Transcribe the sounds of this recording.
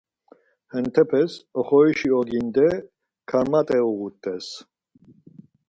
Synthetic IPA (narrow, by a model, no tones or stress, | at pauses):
hɛnt̪ʰɛpʰɛsɔχɔiʃiɔɡind̪ɛ | kʰaɾmat̪ʼɛuɣut̪ʰʼːɛs